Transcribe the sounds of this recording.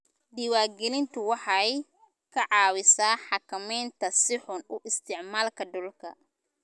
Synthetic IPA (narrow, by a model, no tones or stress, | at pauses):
d̪iwaːɡɛlɪnt̪ʰʊwɑħɑj | kʰɐʕɑːwɪsaːħɑkʰɐmɛjnt̪ʰɐsɪħʊnʊʔɪst̪ʰɪʕmaːlkʰɐɖʊlkʰɐ̰